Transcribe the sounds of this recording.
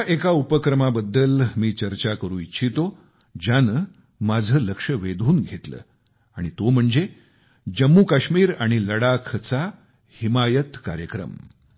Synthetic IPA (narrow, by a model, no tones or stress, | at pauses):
aʔekaupəkɾəmabəd̪ːəlmiːt͡ɕəɾt͡ɕakəɾũːitːɕʰit̪o | d͡ʑjanə | mad͡zʱəːləkʂəʋed̪ʱuːnɡʱet̪lə̰ː | a̰ɽ̃it̪om̤əɳd͡ze | d͡ʑəmːuːkaɕmiːɾaɽ̃iləɽakʰət͡sa | himajət̪ka̰ɾjəkɾə̰m